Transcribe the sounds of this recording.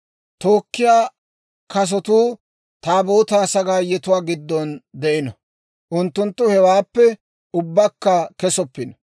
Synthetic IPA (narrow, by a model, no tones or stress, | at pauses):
t̪oːkːɪjaː | kɐs̬ɔt̪uː | t̪aːboːt̪aːsɐɡaːjɛt̪ʊwaːɡɪd̪ːɔnd̪ɛʔɪnɐ | ʔʊnt̪ːʊnt̪ːʊhɛwaːpːɛ | ʊbːɐkːɐkɛsɔpːɪnɐ